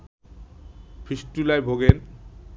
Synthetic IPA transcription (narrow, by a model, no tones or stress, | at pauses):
pʰisʈulajbʱoɡen